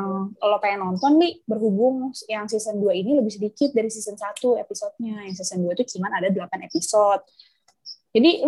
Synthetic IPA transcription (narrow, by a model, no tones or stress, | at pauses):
əkalopaanɔnt̪ɔndibərɦubʊŋjaŋsisənduainiləbɪhs̬ədikɪt̪̚daɾisisənsat̪uepisɔt̪̚ɲajaŋsisənduat̪ut͡ʃumanadadəlapanepisɔt̪̚ | d͡ʒadi